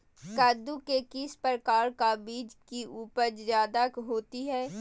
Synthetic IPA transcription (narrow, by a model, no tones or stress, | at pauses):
kaːd̪ukekɪspɾkaːɾkabiːd͡ʒkiʔuːpəɾzjaːd̪akɦoːt̪iɦɛː